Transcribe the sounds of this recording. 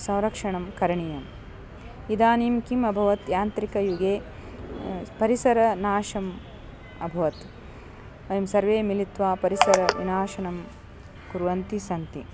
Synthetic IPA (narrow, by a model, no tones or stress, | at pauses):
sɐ̃w̃ɾɐkʂɐɳɐmkɐɾɐɳijɐm | id̪aːniːmkimɐbʱɐʋɐt̪jaːnt̪ɾikɐjuɡeː | pɐɾisɐɾɐnaːʃɐm | ɐbʱɐʋɐt̪ | mɐjɐmsɐɾʋeːmilit̪ʋaːpɐɾisɐɾɐʋinaːʃɐnɐm | kuɾʋɐnt̪isɐnt̪i